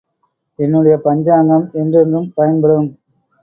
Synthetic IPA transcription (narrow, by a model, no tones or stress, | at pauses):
ɛnːɯɽɐjɐpɐɲd͡ʒaːŋɡɐmɛndrɛndrɯmpɐjɐnbɐɽɯm